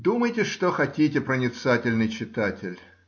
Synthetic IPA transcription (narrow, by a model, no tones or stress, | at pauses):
d̪uməjtʲɪʂt̪oxɐtʲitʲɪpɾənʲɪt̪satʲɪlʲnɨjt͡ɕɪt̪atʲɪlʲ